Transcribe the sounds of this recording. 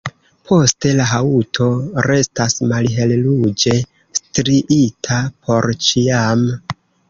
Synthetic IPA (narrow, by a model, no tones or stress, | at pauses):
pʰo̞ste̞laɦautʰo̞ɾe̞stasmalɦe̞llud͡ʒe̞ | stɾiʔitʰapʰo̞ɾt͡ʃiam